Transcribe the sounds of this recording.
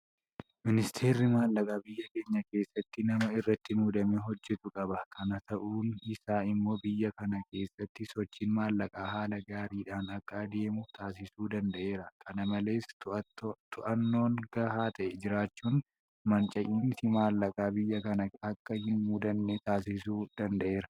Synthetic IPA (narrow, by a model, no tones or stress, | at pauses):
mɪnɪst̪ʰe̞ːɾɪmaːlːɐkʼaːbɪjːɐke̞ːɲːɐke̞ːsːɐt̪ːɪnɐmɐɪrːɐt̪ːɪmuːd̪ɐmeɦɔd͡ʒːɛt̪ʊkʼɐbɐkʰɐnɐt̪ɐʔuːnɪsaːɪmːo̞ːbɪjːɐkɐnɐke̞ːsːɐt̪ːɪsɔt͡ʃːiːnmaːlːɐkʼaːɦaːlɐɡaːɾiːᶑaːnɐkʼːaːd̪e̞ːmʊt̪ʰaːs̬ɪsuːd̪ɐnd̪ɐʔe̞ːɾɐkʰɐnɐmɐle̞ːs | t̪ʊʔɐnːo̞ːnɡ̥ɐhaːt̪ʰɐʔɛd͡ʒɪɾaːt͡ʃːuːn | mɐnt͡ʃʼɐʔiːnsɪmaːlːɐkʼaːbɪjːɐkɐnɐɐkːɐhɪnmuːd̪ɐnːet̪aːs̬ɪsuːd̪̥ɐnd̪ɐʔe̞ːɾɐ